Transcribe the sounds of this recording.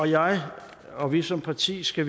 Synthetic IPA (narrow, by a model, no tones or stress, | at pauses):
ɒjɑ̈ɪ | ɒ̽ʋisɒ̽mpʰɑ̈t͡sʰḭːsɡ̥æʋ